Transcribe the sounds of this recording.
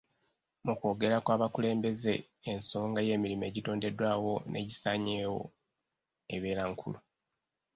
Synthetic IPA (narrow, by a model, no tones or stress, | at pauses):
muko̞ːɡe̞ɾakwaːβakule̞ːmbe̞ze̞ːnso̞ːŋɡaje̞ːmiɾime̞ːɟito̞ːnde̞dwaːwo̞nʔe̞̰ɟisaɲeːwo̞̰ | e̞βe̞ːɾaŋkʰṵlu